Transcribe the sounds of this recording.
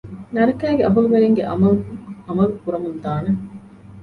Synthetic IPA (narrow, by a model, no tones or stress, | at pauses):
nɐɾɐkæːɡeʔɐɦuluʋeɾeŋɡeʔɐmɐluɐmɐlukuɾɐmund̪aːne